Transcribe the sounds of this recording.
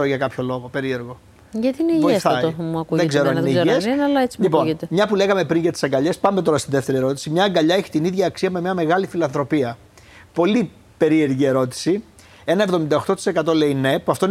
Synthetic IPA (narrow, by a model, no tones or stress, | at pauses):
ɾoʝɐkɐpço̞lo̞ɣo̞pe̞ɾie̞ɾɣo̞ | ʝɐt̪iineivoiθomuɐkuðeɡze̞ɾoieiʝesnɐlɐet͡si̥lipo̞nt̪emɲɐpule̞ɣɐme̞pɾinʝɐt̪i̥sɐŋɡɐʎe̞spɐmet̪o̞ɾɐst̪inðeft̪e̞ɾie̞ɾo̞t̪̬i̥simɲɐːŋɡɐʎɐeçi̥t̪iniðʝɐːksiɐmemɲɐme̞ɣɐlifilɐnθɾo̞piɐ | po̞li | pe̞ɾie̞ɾʝie̞ɾo̞t̪i̥si | e̞nɐe̞vðo̞mind̪ɐoxt̪o̞t̪i̥se̞kɐt̪o̞le̞ine̞puɐft̪oi